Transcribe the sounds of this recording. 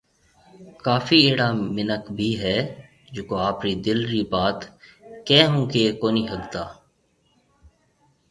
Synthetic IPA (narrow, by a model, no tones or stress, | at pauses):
kaːfiːeːɽaːmɪnəkbʱiːɦɛː | d͡ʒoːkoːaːpɾiːd̪ɪlɾiːbaːt̪kɛ̃ːɦũːkeːkoːniːɦəɡt̪aː